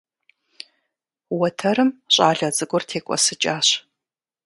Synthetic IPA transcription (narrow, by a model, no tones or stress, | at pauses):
wɐtʰɐɾɨmɕʼaːɮɐzʼɨɡʷʼɔrtʰeːkʷʼɔ̰sɨt͡ʃʼaːɕ